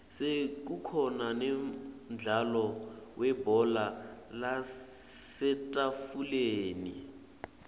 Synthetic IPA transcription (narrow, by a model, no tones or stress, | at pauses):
sek̬ukʰɔnanɛ | d͡ɮʱalɔwʔɛbɔlala | sɛtʼafuleːnḭ